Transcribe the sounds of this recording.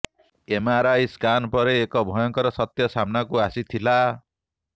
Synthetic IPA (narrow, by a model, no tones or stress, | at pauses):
emaɾajskanpɔɾeːkɔbʱɔjɔŋkɔɾɔsʌt̪jɔsamnakuasit̪ʰila